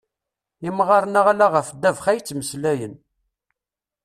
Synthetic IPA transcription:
imʁɑɾˤnaʁlaʁəfd̪ːævχæjt͡sːməslæjən

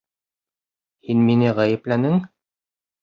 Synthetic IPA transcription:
hinminɘʁæjɘ̆plænɘŋ

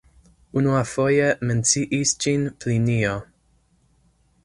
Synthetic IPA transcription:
unuafojement͡siʔisd͡ʒinpʰlinio

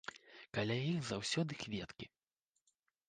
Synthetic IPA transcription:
kalʲajixzawsʲɔd̪ɨxvʲɛt̪kʲi

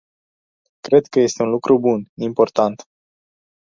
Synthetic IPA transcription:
kɾe̞d̪kəje̞st̪e̞unlukɾʔubunimpo̞rt̪ant̪

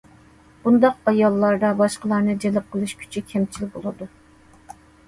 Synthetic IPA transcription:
b̥und̪ɑq̚ɑjɑlˠːɑɾd̪ɑbɑʃqəlˠɑɾnɨd͡ʒelɪp̚qʰəlˠɨʃkʲʰy̥t͡ʃʰikʲʰɛmt͡ʃʰilbolˠɨd̪u

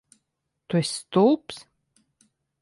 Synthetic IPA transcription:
t̪uɛsːt̪uːps

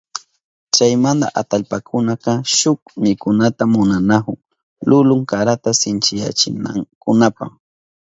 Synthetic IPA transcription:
t͡ʃajmand̪a̰ʔat̪aʎpakʰʊnakɑʃʊk̚mɪkʊnat̪amʊnanakʊŋ | lʊlʊŋkaɾat̪asɪnt͡ʃɪja̰t͡ʃɪna̰kʊnapa̰χ

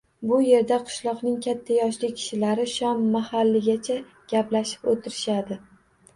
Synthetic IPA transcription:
bʊje̞ɾd̪aqʰɨ̥ʃlˠɒqnɪŋkʲʰat̪ʰːajɒʃlɪkʲʰɪ̥ʃɪlaɾɪʃɒmːahalːɪɡʲat͡ʃʰa | ɡ̥ʲaplaʃɪ̥pot̪ʰɪɾɪʃad̪ɪ

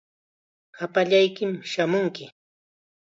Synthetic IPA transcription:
apaʎajkɪmʃamʊŋkɪ

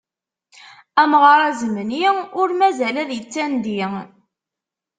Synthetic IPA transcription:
æmʁəɾˤæzəmənjiʊɾmæzælæðjət͡sːænd̪i

